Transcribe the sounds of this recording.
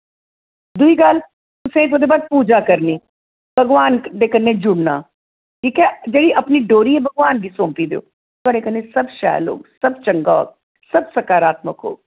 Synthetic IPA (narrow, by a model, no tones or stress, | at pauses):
d̪ʊiːkal | ʊsẽːpod̪eːbaːd̪̚puːd͡ʒaːkəɾniː | b̥ʱəɡʋaːnɖeːkənːẽːd͡ʒʊɽna̰ː | kikɛd͡ʒeːɽiːʔəpniːɖoːɾiːɦɛːbʱəɡʋaːnbʱiːsõːmpiːd̪ḛo̰ː | kəɽeːkənːẽsəbʃɛ̰ːlo̰ːɡsəbt͡ʃəŋɡa̰ːɡ̚ | səbsəkaːɾaːt̪məkɦo̰ːɡ